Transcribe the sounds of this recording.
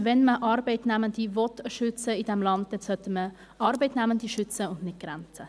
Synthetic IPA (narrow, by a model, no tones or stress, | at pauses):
vɛnməʔɑɾbeɪtnɛməndivɔtʃʏt͡səid̥ɛmlɑnt̚dɛnsœtəmə | ʔɑːɾbeɪtnɛməndiʃʏt͡səʊndnɪt̚ɡ̥ɾant͡sə